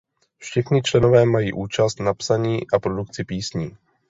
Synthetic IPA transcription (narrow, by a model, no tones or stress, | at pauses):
fʃɛxɲɪt͡ʃlɛno̞vɛːmajiːʔuːt͡ʃast̪napsaɲiːʔapɾodukt͡sɪpiːsɲiː